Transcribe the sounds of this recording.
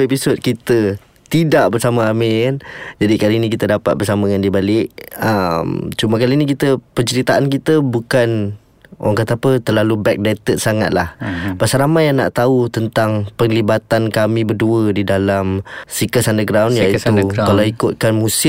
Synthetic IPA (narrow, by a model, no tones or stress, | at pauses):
episod̪̚kit̪ə | t̪idaʔbərsamaːmikand͡ʒadikaliinĩkit̪ədapa̰t̪̚bərsaməŋandiəbalɪʔ̚əmt͡ʃumakalinikit̪əpəɲt͡ʃəɾit̪aʔankit̪əbukan | w̰aŋkat̪əapət̪ərlalubɛk̚dat̪ət̪̚saŋa̰t̪̚la̰hbasaɾamajana̰ʔt̪aut̪ənt̪aŋpəŋlibat̪ankamĩbərduədidalamsikəsandəɡɾawnjait̪ukalawikʊt̪̚kanmusɪ